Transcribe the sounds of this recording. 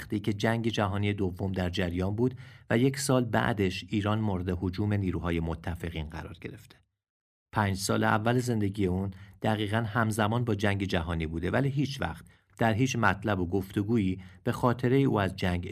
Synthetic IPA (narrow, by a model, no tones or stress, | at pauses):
xt̪iːcʰe̞d͡ʒæŋɟe̞d͡ʒæɦɒːnije̞d̪ovːo̞md̪æɾd͡ʒæɾjɒːnbuːd̪væje̞cʰsɒːlbæ̰ʔd̪e̞ʃiːɾɒːnmoɾe̞d̪eɦod͡ʒuːme̞niːɾuːɦɒːje̞mo̞t̪ʰːæfe̞ɣiːnɢæ̰ɾɒ̰ːɾɡe̞ɾe̞ft̪ʰe | pʰæːnɲd͡ʒsɒ̰ːleʔæ̰vːæleze̞nd̪e̞ɟije̞uːnd̪̥æɣiːɣænhæmzæmɒːnbɒːd͡ʒæŋɟe̞d͡ʒæɦɒːniːbuːd̪e̞væliːɦiːt͡ʃʰvæ̰χt̪̚ | d̪̥æɾɦiːt͡ʃmæt̪ʰlæbo̞ɡo̞ft̪e̞ɡuːiːb̥e̞xɒːt̪ʰe̞ɾe̞jeʔuːæzd͡ʒæŋɟ